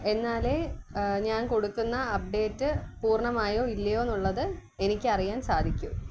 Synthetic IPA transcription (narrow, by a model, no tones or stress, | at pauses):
e̞nːaːle̞ːɲaːnko̞ɽukːunːɐːp̚ɖe̞ːtːɨpuːrɳɐmaːjo̞ːilːɐjoːenːuɭːɐðɨe̞nikʲːɨɐrijaːnsaːd̪ʱikʲːu